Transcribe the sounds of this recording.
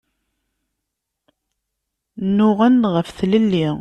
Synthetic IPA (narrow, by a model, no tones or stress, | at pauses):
nːʊʁənʁəfθləlːi